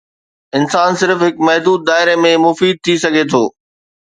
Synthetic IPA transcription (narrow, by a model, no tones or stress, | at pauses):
ɪnsaːnsɪɾfɦɪkmɐɦd̪uːd̪̚ːaːɪɾemẽmʊfiːd̪̚t̪ʰisɐɡʱet̪ʰoː